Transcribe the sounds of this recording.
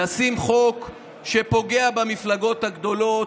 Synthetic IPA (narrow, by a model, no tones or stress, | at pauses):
asimχo̞k | ʃepo̞ɡe̞abamiflaɡo̞t̪haɡd̪o̞lo̞